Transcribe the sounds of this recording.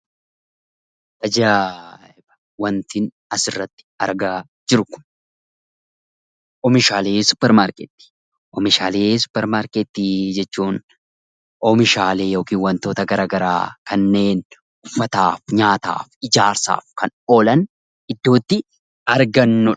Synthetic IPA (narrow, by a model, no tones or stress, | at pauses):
ɐd͡ʒa | bɐ | wɐnt̪ɪn | ɐsɪrːɐt̪ːɪ̥ɐɾɡaː | d͡ʒɪɾʊkʊ̥n | ʔɔmɪʃaːleːsʊ̥pːɛɾmaːɾket̪ːi̥ː | ʔɔmɪʃaːleːsʊ̥pːɛɾmaːɾket̪ːiːd͡ʒɛt͡ʃːuːn | ʔɔmɪʃaːle̞ːjoːkiːnwɐnt̪o̞ːt̪ɐɡɐɾaːɡɐɾa̰ːkɐnːe̞ːn | ʔʊfːɐt̪aːfɲaːt̪a̰ːfɪd͡ʒaːɾsa̰ːfkɐnoːlɐn | ɪd̪ːo̞ːt̪ːɪ | ɐɾɡɐnːɔ